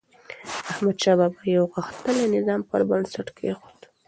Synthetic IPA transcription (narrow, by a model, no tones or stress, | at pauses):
ahmad̪ʃɑbɑbajawɣəxt̪əlenɪzɑmpəɾbansaʈkeexu̥d̪